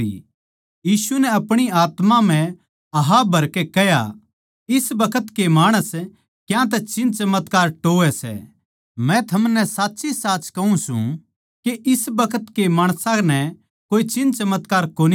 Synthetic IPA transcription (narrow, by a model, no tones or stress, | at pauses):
ḭ | jiːsunɛɐpɽ̃iaːt̪mãm̤ɛ̃ | ɐɦabʱɐɾkɛkɛja̰ | ɪsbɐkʰət̪kemaːɽ̃əs | kjãt̪̬ɛt͡ʃɪnt͡ʃɐmət̪kaːɾʈoːɛsɛ̰ | mɛ̃t̪ʰɐmnɛsaːtːsisaːt͡ʃkɐɦũsṵ̃ | keʔɪsbɐkʰət̪kemaːɽ̃sãnɛ | koːit͡ʃɪ̃nt͡ʃɐmət̪kaːɾkoːni